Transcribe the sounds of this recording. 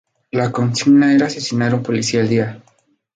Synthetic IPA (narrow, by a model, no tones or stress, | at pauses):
lako̞nsiɡnaeɾaːse̞sinaɾumpo̞lisiaeld̪ia